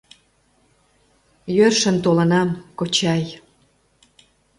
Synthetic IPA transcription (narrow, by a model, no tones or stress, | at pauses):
jørʃə̆nt̪olə̆nɑmkot͡ɕɑj